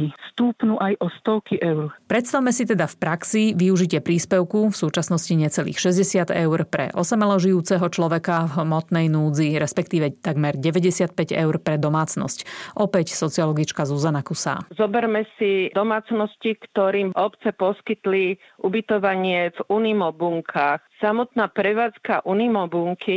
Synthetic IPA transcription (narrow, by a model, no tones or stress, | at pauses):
ist̪uːpnuʔajʔɔst̪ɔʊkiʔɛʊɾpɾɛt̪st̪awmɛsit̪ɛd̪afpɾaksiʋiuʒicɪɛpɾiːspɛʊkufsuːt͡ʃasnɔsciɲɛt͡sɛlḭːxʃɛzɟɛsɪad̪ɛʊɾpɾɛ̰ʔɔsɛmɛlɔʒijuːt͡sɛɦɔt͡ʃlɔʋɛkavmɔt̪nɛjnuːd͡ziɾɛspɛkt̪iːʋɛt̪aɡmɛɾɟɛʋɛɟɛsɪat̪̚pɛɟɛ̰ʊɾpɾɛd̪ɔmaːt͡snɔ̰scʔɔpɛcsɔt͡siɔlɔɡit͡ʃkazuzanakusa̰ːzɔbɛɾmɛsid̪ɔmaːt͡snɔscikt̪ɔɾiːmɔpt͡sɛpɔskit̪li | ʔubit̪ɔʋaɲɪɛvunimɔbuŋkʰaxsamɔt̪naːpɾɛʋaːt͡skaʔunimɔbuŋkʰi